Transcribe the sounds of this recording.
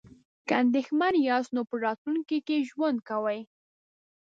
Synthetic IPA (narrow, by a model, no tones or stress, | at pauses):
kəand̪exmaɾjɑsnopəɾɑt̪lunkikeʒwand̪̚kawaj